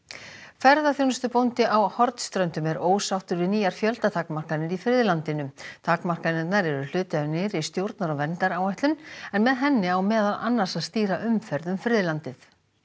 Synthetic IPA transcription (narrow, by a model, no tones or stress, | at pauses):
fɛɾðaθjownʏst̪ʏpownt̪ɪʔawhɔɾt̪st̪ɾœnt̪ʏmɛɾoːwsawht̪ʏɾvɪðniːjaɾ̥fjœlt̪at̪ʰaːkmar̥kanɪɾifɾɪːðlant̪ɪnʏt̪ʰaːkmar̥kanɛnaɾɛɾʏl̥ʏːt̪nɪɾist̪jowɾt̪naɾɔvɛnt̪aɾawajht̪lʏnɛnmɛðɦɛnːɪawmɛːðala̰nːḁsaðst̪iːɾaʔʏmfɛɾðʏmfɾɪːðlant̪ɪθ